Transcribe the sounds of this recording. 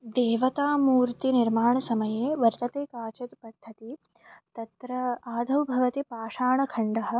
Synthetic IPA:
d̪eːʋɐt̪aːmuːɾt̪iniɾmaːɳɐsɐmɐjeːʋɐɾt̪ɐt̪eːkaːt͡ʃɐt̪pɐd̪ʱːɐt̪i | t̪ɐt̪ɾɐaːd̪ʱɐwbʱɐʋɐt̪ipaːʂaːɳɐkʰɐɳɖɐɦɐ̆

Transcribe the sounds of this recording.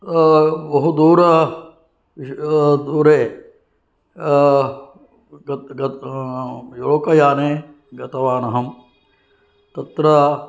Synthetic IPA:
bɐɦud̪uːɾɐ | d̪uːɾeː | ɡɡɐ | joɭokɐjaːneː | ɡɐt̪ɐʋaːnɐɦɐm | t̪ɐt̪ɾɐ

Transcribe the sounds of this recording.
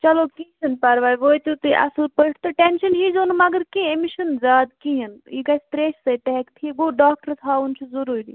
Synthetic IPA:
t͡ʃɐloːkisɐnpɐɾʋaːjʋoːjt̪ut̪ɨʔɐ̰sulpəʈʰt̪ɨʈenʃɐnɦizoːnmɐɡəɾkĩemiʃɐnzaːd̪kiɦɐniɡɐst̪ɾeːssɐjt̪ɐɦɛkt̪ʰiɡoːɖaːk̚ʈəɾt̪ʰaːunt͡ʃʰuzɐɾuːɾḭː

